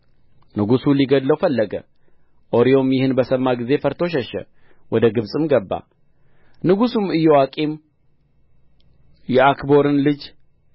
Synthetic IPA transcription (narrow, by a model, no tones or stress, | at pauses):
nɨɡusuliɡəd̪ləwfəlːəɡə̰ | ʔo̞ɾijo̞mjɪhɨnbəsəmːaɡize̞fəɾt̪ʰo̞ʃ̬ɛʃɛ̰ | wʔɔd̪əɡɨβsʼɨmɡəbːa̰ | nɨɡusumɨjːɛwakʼim | jɛakbo̞ɾɨnlɨd͡ʒ